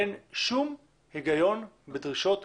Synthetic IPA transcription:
enʃum | heɡajo̞n | bedʁiʃo̞t̪

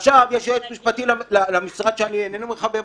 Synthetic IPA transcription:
aχʃavjeʃjoot̪miʃpat̪illalamisʁad̪ʃeanienenumeχabem

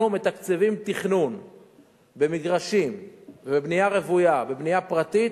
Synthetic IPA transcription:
ume̞t̪akt͡sevimt̪iχnun | be̞miɡʁaʃimvebebnijaʁevujabe̞bnijapʁat̪it

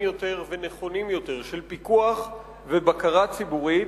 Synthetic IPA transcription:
jo̞t̪e̞ʁveneχo̞nimjo̞t̪e̞ʁʃelpikuaχ | vebakaʁat͡sibuʁit

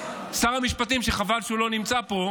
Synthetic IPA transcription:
saʁamiʃpat̪imʃeχavalʃeulo̞nimt͡sapo

